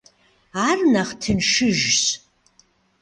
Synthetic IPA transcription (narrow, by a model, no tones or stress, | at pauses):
arnaχtʰɨnʂɨʒs